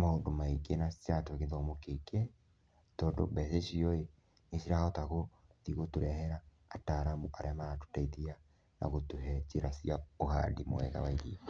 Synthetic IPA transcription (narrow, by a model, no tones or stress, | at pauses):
mahondomaiɡenasjatwekeðɔmokekɛ | tɔːndo̰bɛseʃiɔe | neʃiɾahɔtaɣo | tiɣotuɾɛhɛɾaː | taɾamuʔaɾeamaatu̥taitia | na̰ɣotuɦɛt͡ʃeɾasiaoha̰dimo̰ɛ̰ɣa̰waiði